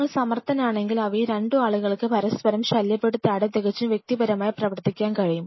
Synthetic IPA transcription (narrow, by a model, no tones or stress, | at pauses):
ɐɭsɐmɐrt̪ɐnaːɳe̞ŋɡilɐʋɐjɾeɳɖɨaːɭuɣɐɭkɨpɐɾɐspɐɾɐmɕɐljɐpːeɽut̪ːɨɐɽɐt̪eɣɐt͡ɕːuʋjek̚t̪ibɐɾɐmaːjiprɐʋɐrt̪ːikʲːaːnkɐɻijum